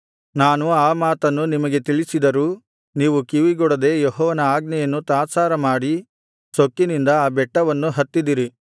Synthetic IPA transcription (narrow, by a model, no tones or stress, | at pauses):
naːnuaːmaːt̪ɐnːunimɐɡe̞t̪iɭisid̪ɐɾuː | niːʋukiʋiɡɔɽɐd̪e̞jɔɦɔːʋɐnɐaːɡnɛjɐnːut̪aːsaːɾɐmaːɽi | sokːinind̪ɐaːbɛʈːɐʋɐnːuɦɐt̪ːid̪iɾi